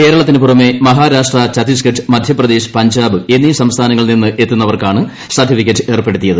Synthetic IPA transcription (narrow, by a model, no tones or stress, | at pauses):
ke̞ːɾɐɭɐt̪ːinɨpurɐme̞mɐɦaːɾaːʂʈrɐt͡ɕɐt̪is̬kɐʈʰːɨmɐd̪ʱjɐprɐd̪eːɕɨ̥pɐɲd͡ʑaːbɨe̞nːisɐmst̪ʰaːnɐŋːɐɭninːɨʔe̞t̪ːunːɐʋɐrkaːɳɨ | sɐrʈːifikʲːɐtːɨe̞rpːe̞ɽut̪ːijɐðɨ